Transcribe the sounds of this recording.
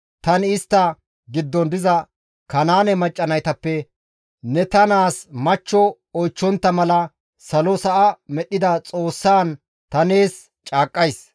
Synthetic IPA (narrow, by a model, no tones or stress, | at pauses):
t̪ɐnɪɪst̪ːɐ | ɡɪd̪ːɔnd̪ɪzɐ | kɐnaːnɛmɐt͡ʃʼːɐnɐjt̪ɐpːɛ | nɛt̪ɐnaːsmɐt͡ʃːɔ | ɔjt͡ʃːɔnt̪ːɐmɐlɐ | sɐlɔsɐʔɐmɛɗːɪd̪ɐt͡sʼoːsːaːn | t̪ɐneːs | t͡ʃʼaːkʼːɐjs